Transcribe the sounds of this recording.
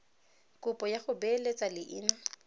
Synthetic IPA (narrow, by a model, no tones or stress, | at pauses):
kʼʊpʼɔjaχʊbɛlet͡sʼalɪʔɪːna